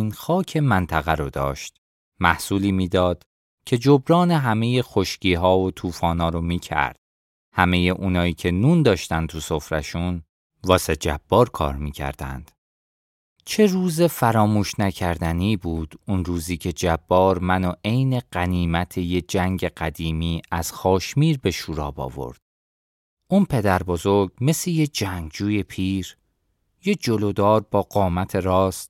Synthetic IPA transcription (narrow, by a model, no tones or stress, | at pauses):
inxɒːcʰe̞mænt̪ʰæɣæɾod̪ɒ̰ːʃt̪ | mæhsuːliːmiːd̪ɒːd̪̥ | cʰe̞d͡ʒobɾɒːne̞ɦæme̞je̞xo̞ʃcʰiːɦɒːot̪ʰuːfɒːnɒːɾomiːcʰæ̰ɾd̪̥̚ | hæme̞jeʔuːnɒːiːcʰe̞nuːnd̪ɒːʃt̪ænt̪ʰuso̞fɾæ̰ʃun | vɒːset̪̚d͡ʒæb̥ːɒːɾkʰɒ̰ːɾmiːcʰæ̰ɾd̪æ̰nd̪̥ | t͡ʃʰe̞ruːze̞fæɾɒːmuːʃnæcʰæɾd̪æniːbuːd̪̥unruːziːcʰe̞d͡ʒæbːɒːɾmænoʔe̞jne̞ɢæniːmæt̪ʰe̞jed͡ʒæŋɟe̞ɢæd̪iːmiːæz̥xɒːʃmiːɾbe̞ʃuːɾɒ̰ːbɒ̰ːvo̞̰ɾd̪̥̚ | ʔunpʰe̞d̪æɾbo̞zo̞ɾɡme̞sejed͡ʒæŋɡd͡ʒuːje̞pʰiːɾ | jed͡ʒo̞lod̪ɒːɾbɒːɢɒːmæt̪ʰe̞ɾɒːst̪